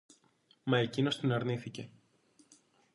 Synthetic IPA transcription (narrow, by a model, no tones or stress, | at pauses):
mɐe̞cino̞st̪inɐɾniθice̞